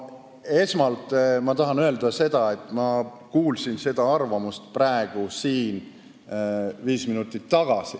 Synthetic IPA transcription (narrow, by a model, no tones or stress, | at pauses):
e̞smɑlt̪ˑmɑt̪ɑɦɑnøeld̪̥ɑse̞d̪̥ɑe̞t̪ːˑmɑ | kuːlsinse̞d̪̥ɑɑrvɑmust̪prɑeɡ̥usiːn | viːsminut̪ːˑit̪ːɑɡ̥ɑsi